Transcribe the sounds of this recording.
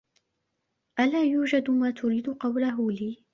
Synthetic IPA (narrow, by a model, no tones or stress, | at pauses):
ʔalaːjuːd͡ʒad̪maːt̪ʊɾiːd̪ʊqɑwlaɦʊliː